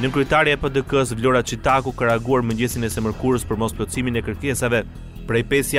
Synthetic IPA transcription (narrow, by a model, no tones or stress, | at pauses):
nəkɾɛt̪aɾiaɛpəd̪əkəs̬vlɔɾat͡ʃit̪akukaɾaɡuaɾməɲɟɛsinɛsɛməɾkuɾəspəɾmɔsplɔt͡siminɛkəɾkɛsavɛ | pɾɛjpɛsja